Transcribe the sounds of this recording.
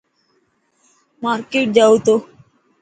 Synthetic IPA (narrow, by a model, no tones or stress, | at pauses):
maːɾkeːʈ̚d͡ʒaːut̪oː